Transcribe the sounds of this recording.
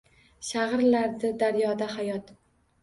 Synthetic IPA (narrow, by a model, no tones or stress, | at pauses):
ʃaʁɨɾlaɾd̪ɪd̪aɾjɒd̪ahajɒt̪